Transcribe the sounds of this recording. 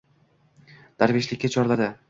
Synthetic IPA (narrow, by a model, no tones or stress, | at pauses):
d̪̥ʰaɾvijaʃlʲɪkʲːat͡ʃʰɒɾlad̪ɪ